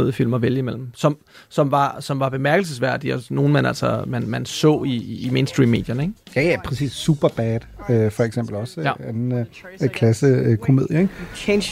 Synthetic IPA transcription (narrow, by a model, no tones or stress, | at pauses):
ðˠfil̰mɒʋeljəimel̰m̩sɒ̽m | sɒ̽mʋɑ̈sɒ̽mʋɑ̈b̥e̝mæɐɡ̥l̩s̬əsʋæɐ̰d̥iɒsno̝ːn̩mænæl̰sɒmænmænsɔ̰̽ːiːmeɪnsd̥ʁḭːmːe̝ːd̥jɐneɡ̥jæjæpʰʁɛsḭːsːub̥ɐb̥æːd̥øfɒ̽eɡ̥sem̰b̥l̩ɒ̽sænn̩ | kʰlæsəkʰo̝me̝ð̞̰ˠjɐeɡʰen